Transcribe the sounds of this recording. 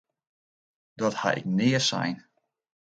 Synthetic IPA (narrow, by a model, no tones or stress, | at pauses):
d̥ɔtha̰ɪ̰k̚nɪəsɛ̰jn